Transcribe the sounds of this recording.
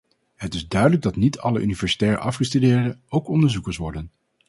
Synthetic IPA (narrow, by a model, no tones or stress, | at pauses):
ɦətɪzdœɥdələɡ̚dɑtnitʰɑlə̰ʔynivɛɹsi̥tɛːrə̰ʔɑfχəstydɪːɹdəowkɔndəɹzukəɹsʋɔɹdən